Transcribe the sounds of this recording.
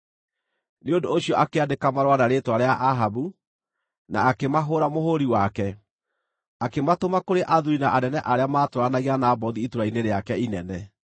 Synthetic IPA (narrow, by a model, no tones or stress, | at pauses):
neondoːɕiɔʔakeadekamaɾwanaɾeːtwaɾeaʔaɦaβu | na̰ːkemaɦoɾamohoɾiwakɛ | akematomakoɾeʔaðuɾinaʔanɛnɛʔaɾeamaːtoɾanaɣianaːbɔðiːtoɾaineɾeakɛinɛnɛ